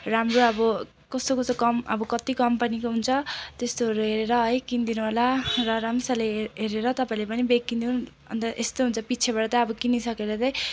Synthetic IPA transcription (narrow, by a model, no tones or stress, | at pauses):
ramroʌbʌ | kʌst̪okosokʌmʌbʌkʌt̪ikʌmpʌnikoɦunt͡sʰʌt̪est̪oʌɾuɦeɾeɾʌɦʌjkind̪inuɦolarʌɾamsaleɦeɾeɾʌt̪ʌpaĩlepʌnibekːind̪iu | ʌ̰nt̪ʌʔest̪oɦunt͡sʰʌpit͡sʰeβaʈʌt̪ʌ̃ʌbʌkinisʌkeɾʌt̪ʌj